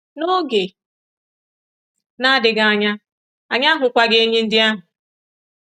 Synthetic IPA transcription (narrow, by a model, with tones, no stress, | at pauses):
no˦ɡe˨ | na˦dɪ˨ɡa˨ɲa˦ | a˨ɲa˦ɦʊ˨kʷa˦ɡe˦ɲe˦n̩˦dɪ˦a˦ɦʊ˨